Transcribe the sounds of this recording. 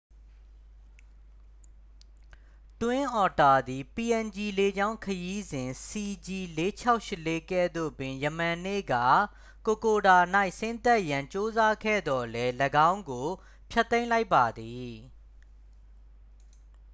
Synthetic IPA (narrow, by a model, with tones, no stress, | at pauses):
twɪ̃˦ʔɔ˨ta˨d̪i˨pi˨ʔɛ̃˨nd͡ʑi˨le˨d͡ʑã˦ʊ̃kʰəji˦zɪ̃˨si˨d͡ʑi˨le˦t͡ɕʰa˦ʊʔʃɪ˦˨le˦kɛ˦˨d̪o̰˦˨bɪ̃˨jə˨m̥ã˨nḛ˦˨ɡa̰˦˨ | ko˨ko˨da˨na˦ɪʔsɪ̃˦nt̪ɛ˦ʔjã˨ɲt͡ɕo˦za˦kʰɛ̰˦˨d̪ɔ˨lɛ˦ləɡã˦ʊ̃ŋɡo˨ | pʰjɛ˦t̪ːẽ˦ɪ̃la˦ɪpːa˨d̪i˨